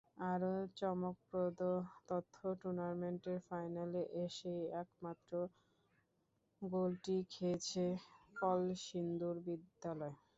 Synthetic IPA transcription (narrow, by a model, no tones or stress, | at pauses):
aɾot͡ɕɔmok̚pɾod̪ot̪ot̪ʰːoʈuɾnaɾmeɳʈeɾfajnaleʔeʃejɛkmat̪ːɾo | ɡolʈikʰet͡ɕʰefɔlʃind̪uɾbid̪ːalɔe